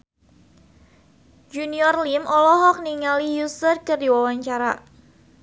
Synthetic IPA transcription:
d͡ʒuniɔrlimʔɔlɔɦɔk̚niŋalijusərkərdiwawaɲt͡ʃaɾa̰

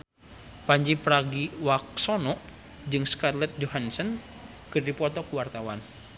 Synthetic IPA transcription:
paɲd͡ʒipɾaɡiwak̚sɔnɔʔ | d͡ʒɨŋskarlɛt̪̚d͡ʒɔɦansən | kɨrdipɔt̪ɔkuwart̪awan

